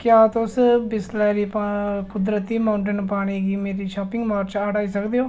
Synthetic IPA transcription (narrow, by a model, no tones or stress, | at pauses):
kjaːt̪ʊsbɪslɛːɾiːpkʊd̪ɾət̪iːmaːʊɳʈənpaːɽ̃iːɡiːmeːɾiːʃaːpɪ̃ŋɡmaːɾt͡ʃaːɽaːiːsəkd̪eːoː